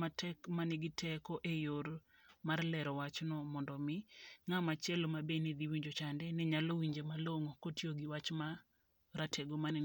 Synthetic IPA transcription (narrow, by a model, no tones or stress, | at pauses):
matʰɛkmanɪɡɪtʰɛkoʔejoɾ | marlɛɾɔwat͡ʃnɔmɔndɔmɪŋamat͡ʃɛlomabened̪iwiɲd͡ʒot͡ʃandɛnɛɲalowiɲd͡ʒemaloŋokotjoɡɪwat͡ʃma | ɾatʰɛɡoman